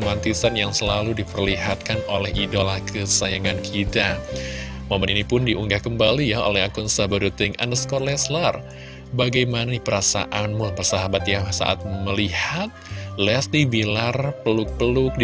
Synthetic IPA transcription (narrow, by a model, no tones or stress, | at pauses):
mant̪isanjaŋsəlaludipərliɦat̪̚kanolɛhidolahkʰəsajaŋankʰit̪a | momɛninipʊndiʔuŋɡahkəmbalijao̰lɛhakʊnsabəɾut̪ɪŋa̰ndəskɔrlɛslar | baɡajmanadipəɾasa̰ʔanmupərsaɦabat̪jaŋsa̰ʔa̰t̪̚məlihat̪̚lɛsibilarpəlʊk̚pəlʊk̚d